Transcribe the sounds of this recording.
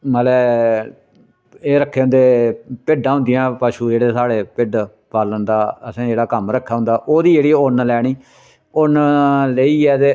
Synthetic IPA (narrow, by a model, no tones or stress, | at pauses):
məlɛː | eːɾəkʰːeːɦʊ̃nd̪eːpɪɖãːɦʊ̃nd̪ijãːpaːʃuːd͡ʒeːɽeːsaːɽeːpɪɖ | paːlənd̪aːəsãːd͡ʒeːɽaːkəmɾəkʰːaːɦʊ̃nd̪aːʔoːd̪iːd͡ʒeːɽiːʊnlɛːɽ̃iː | ʊnleiːɛːt̪e